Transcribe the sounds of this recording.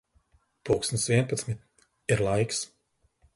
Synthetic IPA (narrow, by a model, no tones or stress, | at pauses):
puːksnʲt̪svʲiɛpat̪smʲit̪ | iɾlˠajks